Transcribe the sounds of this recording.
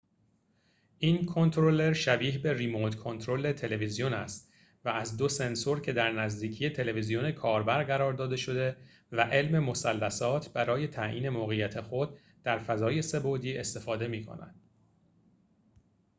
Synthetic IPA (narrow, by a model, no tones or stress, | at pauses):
ʔiːnkʰo̞nt̪ʰɾole̞ɾʃæbiːhbe̞rimot̪kʰo̞nt̪ʰɾo̞le̞t̪ʰe̞le̞vizijonæst̪ | vææzd̪o̞se̞nsoɾcʰe̞d̪æɾnæzd̪iːcʰije̞t̪ʰe̞le̞vizijone̞kʰɒːɾbæɾɢæɾɒːɾd̪ɒːd̪e̞ʃo̞d̪e̞ | væʔe̞lme̞mo̞sælːæsɒːt̪ʰbæɾɒːje̞t̪ʰæʔḭːne̞moːɣejæt̪ʰexo̞d̪̚ | d̪æɾfæzɒːje̞se̞bod̪iːe̞st̪e̞fɒːd̪e̞miːkʰo̰næ̰d̪̥